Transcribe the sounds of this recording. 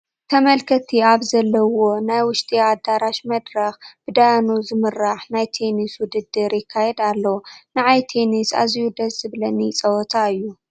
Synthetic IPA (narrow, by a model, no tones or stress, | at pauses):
t̪ʰɐmɐlkʰɐt̪ʰiaβzɐlːɐwo̞najwʊʃt̪ʼiad̪aɾaʃmɐd̪ɾɐxb̥ɨd̪ajanuzɨmɨɾaħnajt̪ʰeniswʊd̪ɨd̪ːɨɾjɪkʰːajɛd̪alːɐwnɨʕajt̪ʰe̞nisa̰ziwud̪ɐszɨβlɐnit͡sʼɐwɔt̪ʰaɨjːu